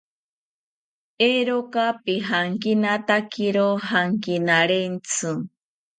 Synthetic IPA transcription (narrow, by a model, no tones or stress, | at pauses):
eɾokapiɦaŋkinat̪akiɾohaŋkinaɾent͡sɨ